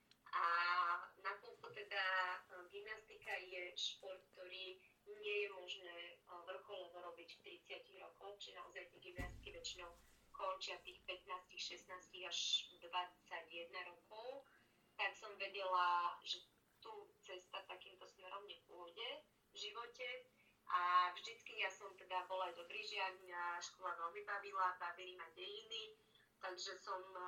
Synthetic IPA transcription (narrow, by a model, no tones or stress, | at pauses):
ʔa | napɔlkɔt̪ɛd̪aɡimnast̪ikajɛʃpɔɾt̪̚k̚t̪ɔɾiː | ɲɪɛjɛmɔʒnɛːʋr̩xɔlɔʋɔɾɔbicft̪ɾit͡sɪaciɣɾɔkɔwt͡ʃiɛnaɔzajt̪jɛɡimnast̪i̥kiʋɛt͡ʃinɔʊkɔnt͡ʃɪaft̪iːxpɛt̪naːscixʃɛsnaːsciɣaʒd̪ʋat͡saɟjɛd̪naɾɔkʰɔʊ | t̪aksɔmʋɛɟɛlaʒɛ | t̪uːt͡sɛst̪at̪akiːmt̪ɔsmɛɾɔmɲɛpʊɔɟɛ | vʒiʋɔcɛ | ʔavʒd̪it͡skijasɔmt̪ɛd̪abɔlajd̪ɔbɾiːʒɪaaʃkɔlaʋɛlmibaʋilabavilimaɟɛjini | t̪aɡʒɛsɔm